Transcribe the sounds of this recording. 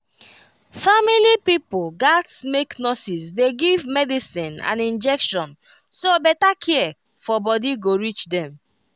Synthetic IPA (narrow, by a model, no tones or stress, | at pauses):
familipipoɡatsmeknɔsisdeɡivmɛdisĩnã̰nĩnd͡ʒɛkʃɔ̃n | sobɛtakʰɛɛ | fɔbɔdiɡoɹit͡ʃdɛ̃m